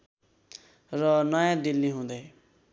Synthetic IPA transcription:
rʌnʌjãd̪ilːiɦũd̪ʌj

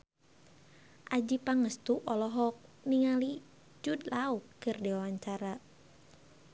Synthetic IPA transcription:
ʔad͡ʒipaŋəst̪uʔɔlɔɦɔk̚niŋali | d͡ʒud̪laukːɨrdiwawaɲt͡ʃaɾa

